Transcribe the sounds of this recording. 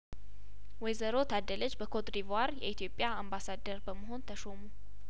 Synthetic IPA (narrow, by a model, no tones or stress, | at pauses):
wɔjzəɾot̪ʰad̪ːələd͡ʒbəkʰot̪ɾivaɾjɛ̰it̪ʰijo̞pʼːjaambasad̪əɾbəməɦo̞nt̪ʰəʃomu